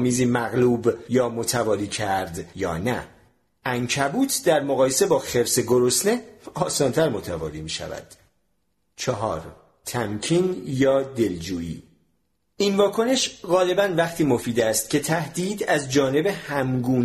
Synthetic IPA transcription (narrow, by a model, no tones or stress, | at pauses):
miːziːmæɣluːbjɒːmot̪ʰævɒːliːcʰæɾd̪jɒ̰ːnæ̰ | æŋcʰæbuːt̪ʰd̪æɾmoɣɒːje̞se̞bɒːxe̞ɾseɡo̞ɾosne̞ɒːsɒːnt̪ʰæɾmot̪ʰævɒ̰ːlimiːʃæ̰væ̰d̪̥ | t͡ʃʰɒɦɒ̰ːɾ | t̪ʰæmcʰiːnjɒːd̪e̞ld͡ʒuːḭː | invɒːkʰo̞ne̞ʃɣɒːle̞bænvæχt̪ʰiːmofiːd̪æst̪̚cʰe̞t̪ʰæhd̪iːd̪æzd͡ʒɒːne̞be̞hæmɡuːn